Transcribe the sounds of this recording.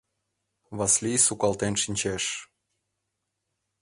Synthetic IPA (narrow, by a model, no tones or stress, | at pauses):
βɑslʲisukɑlˠt̪enʃinʲt͡ɕeʃ